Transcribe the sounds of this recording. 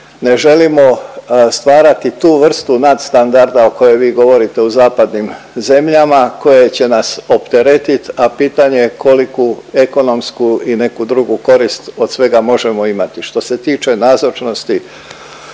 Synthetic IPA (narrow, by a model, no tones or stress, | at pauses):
ne̞ʒe̞limo̞st̪ʋaːɾat̪it̪uːʋr̩st̪unad̪st̪and̪aɾd̪ao̞ko̞jeʋiːɡo̞ʋo̞ɾit̪e̞uzaːpad̪nim | ze̞mʎamako̞jet͡ɕe̞naso̞pt̪e̞ɾe̞t̪it̪apiːt̪aɲe̞kʰo̞likue̞ko̞no̞mskuine̞kud̪ɾuɡuko̞ɾist̪o̞d̪sʋe̞ɡamo̞ʒe̞mo̞imat̪iʃt̪o̞se̞t̪iːt͡ʃe̞nazot͡ʃno̞st̪i